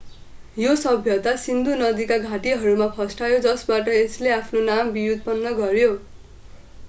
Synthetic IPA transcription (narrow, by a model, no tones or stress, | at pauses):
josʌbʱjʌt̪asind̪unʌd̪ikaɡʱaʈiɦʌɾumapʰʌsʈajod͡zʌsbaʈʌesleapʰnonambijud̪̚pʌnːʌɡʌɾjo